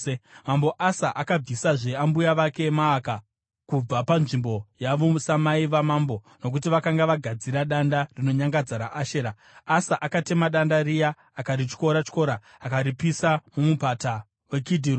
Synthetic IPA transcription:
emambo̞ʔasaʔakab͡visaʐe̞ambujaʋake̞maːka | kub͡vapanʐimbo̞jaʋosamaiʋamaːmbo̞ | no̞k̬utiʋakaŋɡaʋaɡʱad͡ziɾaɗandarino̞ɲaŋɡad͡zaɾaʔaʃeɾa | asaʔakate̞maɗandaɾija | akaɾit͡ʃko̞ɾat͡ʃko̞ɾaː | kaɾipisamumupata | we̞kidʱiru

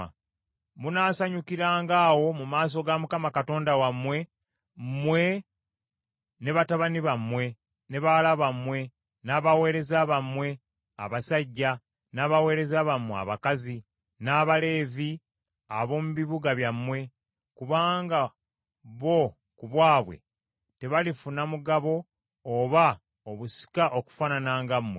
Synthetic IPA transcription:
munaːsaɲukiɾaːŋɡaːwo̞mumaːs̬o̞ɡamukamakato̞ːndawamːwe̞ | mwe̞ | ne̞βataβaniβamwe̞ | ne̞βalaβamwe̞ | naːβawe̞ːɾe̞zaːβamwe̞ | a̰βasaɟːa | naːβawe̞ːɾe̞zaβamːwea̰βakazi | naːβale̞ːvi | aβo̞ːmuβiβuɡaβjamːwe̞ | kuβaːŋɡa | βo̞ | kuβwaːβwe̞̰ | te̞βalifunamuɡaβo̞ː | βa | oβusi̥kaʔo̞ku̥faːnanaːŋɡamːwe

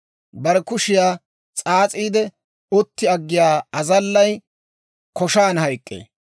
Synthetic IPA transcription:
bɐɾɛkʊʃɪjaː | t͡sʼaːt͡sʼiːd̪ɛ | ɔt̪ːɪɐɡːɪjaːɐzɐlːɐj | kɔʃaːnhɐjkʼːḛː

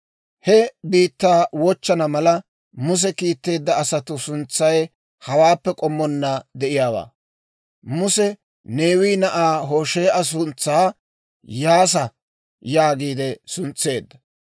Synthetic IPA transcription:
hɛbiːt̪ːaːwɔt͡ʃːɐnɐmɐlɐ | mʊs̬ɛkiːt̪ːe̞ːd̪ːɐːsɐt̪ʊsʊnt͡sːɐj | hɐwaːpːɛkʼɔmːɔnːɐd̪ɛʔɪjaːwa̰ː | mʊsɛ | ne̞ːwiːnɐʔaːɦo̞ːʃeːʔɐs̬ʊnt͡sːaː | jaːs̬ɐ | jaːɡiːd̪ɛsʊnt͡sːe̞ːd̪ːɐ̥

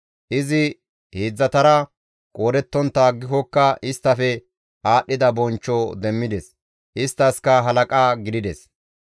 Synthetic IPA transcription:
ʔɪzɪ | heːd͡zːɐt̪ɐɾɐ | kʼoːɾɛt̪ːɔnt̪ːaɡːɪhɔkːɐɪst̪ːɐfɛ | ʔaːʔːɪd̪ɐbɔnt͡ʃːɔd̪ɛmːɪd̪ɛs | ʔɪst̪ːɐskɐɦɐlɐkʼaːɡɪd̪ɪd̪ɛs

